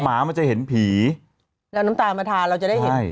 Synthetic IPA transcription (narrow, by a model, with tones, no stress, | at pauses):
maː˩˦ma˧nt͡ɕa˨˩ɦe˩˦npʰiː˩˦ | lɛ˦˥wnaː˦˥mt̪aː˧maː˧t̪ʰaː˧ɾa˧wt͡ɕa˨˩da˥˩a˥˩j